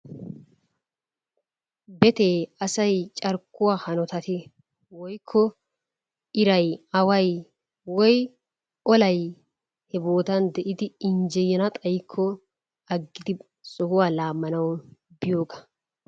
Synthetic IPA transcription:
bɛt̪eːɐsɐjt͡ʃʼɐɾkːʊwaːhɐnɔt̪ɐt̪ɪ | wɔjkʰːɔ | ɪɾɐjɐwɐj | wɔj | ʔɔlɐj | hɛbo̞ːt̪ɐnd̪ɛʔɪd̪ɪɪnd͡ʒɛjɛnɐt̪ʼɐjkʰːɔ | ɐɡːɪd̪ɪ | sɔhʊwaːlaːmːɐnɐwbɪjoːɡɐ̥

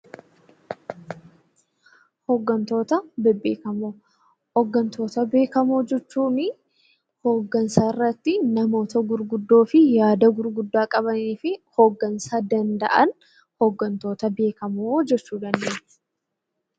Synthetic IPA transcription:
hoɡːɐnt̪o̞ːt̪ɐbbeːkɐmo | hɔɡːɐnt̪o̞ːt̪ɐbe̞ːkɐmo̞ːd͡ʒɛt͡ʃːuːnɪ | hoːɡːɐnsaːɪrːɐt̪ːɪnɐmo̞ːt̪ɐɡʊɾɡʊd̪ːo̞ːfɪjaːd̪ɐɡʊɾɡʊd̪ːaːkʼɐβɐniːfɪhoːɡːɐnsaːd̪ɐnd̪ɐ̰ʔɐn | hoɡːɐnt̪o̞ːt̪ɐbe̞ːkɐmoːd͡ʒɛt͡ʃːuːd̪ɐnd̪eːɪ̥

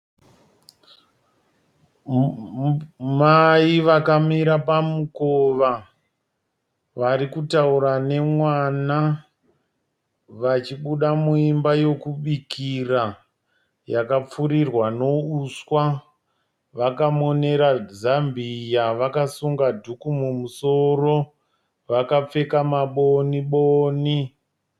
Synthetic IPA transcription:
maiʋakamiɾapamukoʋa | ʋaɾikutauɾane̞mwana | ʋat͡ʃiɓuɗamuimbajo̞kuɓikira | jakap͡fuɾirwano̞uswa | ʋakamo̞ne̞ɾazambijaʋakasuŋɡadʱukumumuso̞ro̞ | ʋakap͡fe̞kamaɓoniɓoːni

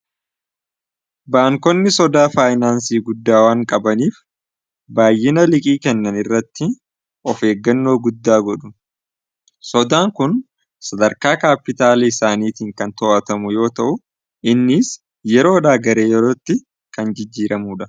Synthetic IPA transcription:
baːŋkɔnːɪsɔd̪aːfaːjnaːnsiːɡʊd̪ːaːwaːŋkʼɐbɐniːf | baːjːɪnɐlɪkʼiːkɛnːɐnɪrːɐt̪ːɪ | ɔfe̞ːɡːɐnːoːɡʊd̪ːaːɡɔᶑʊ | sɔd̪aːŋkʊn | sɐd̪ɐɾkaːkaːpːɪt̪aːlɐɪsaːniːt̪iːŋkɐnt̪ɔːʔɐt̪ɐmʊjo̞ːt̪ɐʔʊ | ʔɪnːɪːs | jɛɾo̞ːᶑaːɡɐɾe̞ːjɛɾoːt̪ːɪ | kɐnd͡ʒɪd͡ʒːiːɾʔɐmuːᶑɐ

